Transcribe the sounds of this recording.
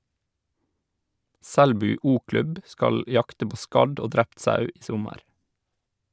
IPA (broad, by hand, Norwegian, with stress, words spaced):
ˈsɛɽbʉː ˈuːˌklʉb ˈskɑl ˈjɑktə ˈpoː ˈskɑɖ ˈoː ˈdɾɛpt ˈsɑʉ ˈiː ˈsʊməɾ